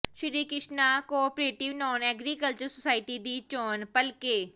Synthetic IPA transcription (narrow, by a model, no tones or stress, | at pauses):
ʃɪɾiːkɪʃnakoːpɾeːʈɪʋnɔːnɛːɡɾikəlt͡ʃəɾsosaːɪʈid̪iːt͡ʃoːnpəlkeː